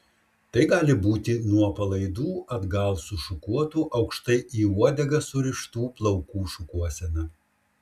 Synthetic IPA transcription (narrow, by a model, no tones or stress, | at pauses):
t̪ɐɪɡɑːlʲɪbuːt̪ʲɪnuɔpɐlˠɐɪd̪uːɐd̪ɡɐlˠsʊʃʊkuɔt̪uːʔɐʊkʃt̪ɐɪʔiːuɔd̪ʲɛɡɐsʊɾʲɪʃt̪uːplˠɐʊkuːʃʊkuɔsʲɛnɐ